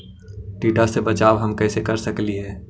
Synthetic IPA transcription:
ʈiːʈasebɐt͡ʃaːwɦɐmkɛːsekɐɾsɐkliɦɛː

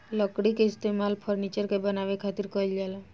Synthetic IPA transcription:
ləkɽikeɪst̪emalpʰəɾnit͡ʃəɾkebənaʋekʰat̪iɾkəld͡ʒala

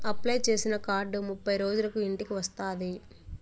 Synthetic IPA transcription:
ɐplɐjt͡ʃe̞ːsinɐkaːɾɖmupːɐjɾo̞ːd͡ʒulɐkuiɳʈikiʋɐst̪aːd̪i

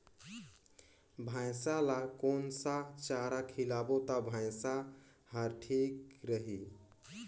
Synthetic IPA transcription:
bʱãsalakonsat͡ʃaɾakʰilabot̪abʱãjsa | həɾʈʰikɾəɦi

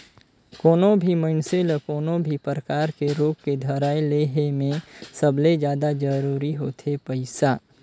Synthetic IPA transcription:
koːnõbʱiməɪnseləkoːnõbʱipɾəkaːɾkeɾoːɡked̪ʱəɾaːeleɦemẽsəbled͡ʒjaːd̪ad͡ʒəɾuːɾiɦot̪ʰepəɪsa

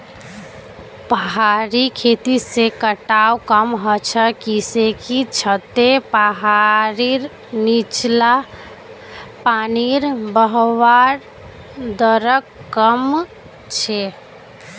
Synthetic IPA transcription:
pəɦaɾikʰet̪isekəʈawkəmɦət͡ʃʰəkisekit͡ʃʰət̪epəɦaɾiɾ | nit͡ʃla | paniɾbəɦwaɾ | d̪əɾəkːəm | t͡ʃʰe

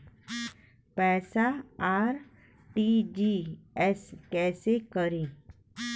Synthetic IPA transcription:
pɛːsaaːɾ | ʈid͡ʒiɛskɛːsekəɾẽː

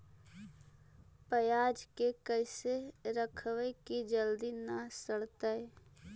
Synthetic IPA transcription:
pəjaːd͡ʒkekəɪseɾəkʰwekid͡ʒəld̪inasəɽt̪ae

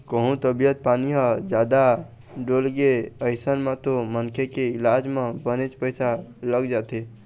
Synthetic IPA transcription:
kəɦũt̪əbijət̪̚paniɦəd͡ʒad̪a | ɖolɡeəɪsənmẽt̪omənkʰekeɪlad͡ʒmẽbənet͡ʃpəɪsaləɡd͡ʒat̪e

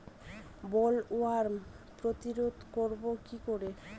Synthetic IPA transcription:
bɔloaɾ | pɾot̪iɾod̪koɾbokikoɾe

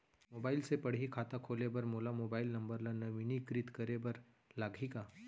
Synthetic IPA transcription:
moːbaːɪlsepɐɽ̤ɦikʰaːt̪akʰoːlebɐɾmoːlamoːbaːɪlnɐ̃mbəɾlanɐʋinikɾɪt̪kɐɾebɐɾ | laːɡʱikaː

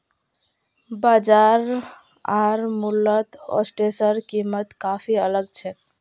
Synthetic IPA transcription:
bad͡ʒaɾ | aɾmulːət̪ɔ̰sʈesəɾkimət̪kapʰiələɡt͡ʃʰɛk

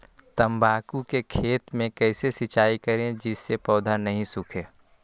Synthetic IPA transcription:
t̪əmbʱaːkukekʰeːt̪mẽkɛɪsesɪt͡ʃaːikɐɾẽd͡ʒɪsːepɔːd̪ʱanɐɦĩsʊkʰẽː

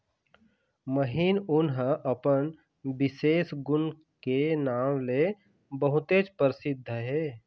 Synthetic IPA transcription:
məɦiːnʊnɦəʔəpən | bɪseːsɡʊn | kenaːmle | bəɦʊt̪eːt͡ʃpəɾɪsɪd̪ʱːəɦɛː

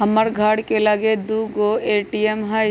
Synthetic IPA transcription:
ɦɐməɾɡʱaːɽkelaɡed̪uɡoːeːʈijemɦa

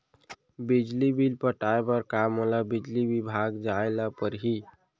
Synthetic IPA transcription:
bid͡ʒlibʱilpəʈaebəɾkamolabid͡ʒlibibʱaɡd͡ʒaelapəɾɦi

